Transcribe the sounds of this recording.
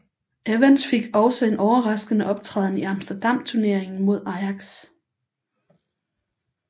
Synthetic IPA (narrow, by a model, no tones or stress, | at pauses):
eʋænsfe̝ɡ̥ɒ̽ʊsəe̝nʔɒʊɐʁɑ̈sɡ̥ənəʔɒ̽b̥̚t͡sʰʁɛ̰ːðˠniɑ̈msd̥ɐd̥ɑ̈m̰t͡sʰuɐne̝ɐeŋn̩mo̝ð̞̰ˠɑ̈ɪɑ̈ɡ̥s